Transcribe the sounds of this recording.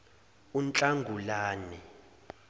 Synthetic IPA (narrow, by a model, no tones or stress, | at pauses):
unt͡ɬʼaŋɡʱulaːnɛ